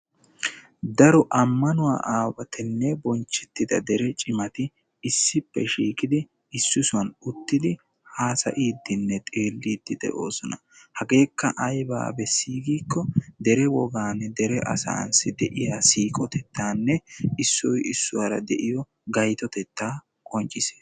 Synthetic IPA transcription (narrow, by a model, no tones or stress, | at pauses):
d̪ɐɾɔʔɐmːɐnʊwa̰ːʔaːwɐt̪ʰɛnːɛbɔnt͡ʃːɛt̪ːɪd̪ɐd̪ɛɾɛt͡ʃʼɪmɐt̪ɪ | ɪsːɪpːɛʃiːkʼɪd̪ɪ | ɪsːʊsʊwɐnʊt̪ːɪd̪ɪ | haːsɐ̰ʔiːd̪ːɪnːɛt̪ʼe̞ːlːiːd̪̥ːɪd̪ɛ̰ʔo̞̰ːsɔnɐ | hɐɡe̞ːkːɐʔɐjba̰ːbɛsiːɡiːkːɔd̪ɛɾɛwɔɡaːnːɛd̪ɛɾɛʔɐ̰sa̰ːnsɪd̪ɛʔɪjaːsiːkʼɔt̪ɛt̪ːaːnːɛɪsːɔjɪsːʊwaɾɐd̪ɛʔɪjɔ | ɡɐjt̪ɔt̪ɛt̪ːaː | kʼɔnt͡ʃʼːɪse̥ː